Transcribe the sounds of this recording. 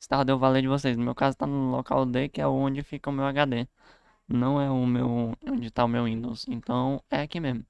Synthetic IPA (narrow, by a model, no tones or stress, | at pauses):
ist̪aɾd̪ʊewvalejd͡ʒɪvosejsʊmewkazʊt̪anʊloka̰wd̪ekɪɛʊõd͡ʒɪfikɐʊmewaɡad̪e | nɐ̃w̃ɛʊmewõd͡ʒɪt̪aʊmewĩd̪owsẽnt̪ɐ̃w̃ɛakimezmʊ